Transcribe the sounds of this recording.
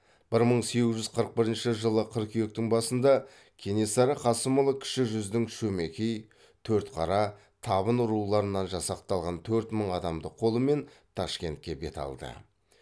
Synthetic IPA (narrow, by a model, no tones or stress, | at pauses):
b̥ɪɾməɴse̞ɡʲɪzʒʏzqʰəɾəq̚bɪɾɪnʃɪʒəlˠəqʰəɾqkʲʰejek̚t̪ɪŋbɑsənd̪ɑ | kʲʰe̞ne̞sɑɾɑqʰɑsəməlˠəkʲʰɪ̥ʃɪʒʏzd̪ɪŋʃɵme̞kʲej | t̪ʰɵɾt̪qʰɑɾɑ | t̪ʰɑβənʊɾulˠɑɾənːɑnʒɑsɑq̚t̪ɑlˠʁɑnt̪ʰɵɾt̪məɴɑd̪ɑmd̪əqʰːo̞lˠəme̞n | t̪ʰɑʃkʲe̞nt̪̚kʲe̞be̞̰t̪ɑ̰lˠd̪ə̰